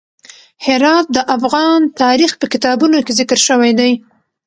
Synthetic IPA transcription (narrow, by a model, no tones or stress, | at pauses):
hɪɾɑt̪̚d̪əʔafɣɑnt̪ɑɾixpəkɪt̪ɑbunokezɪkəɾʃəwajd̪aj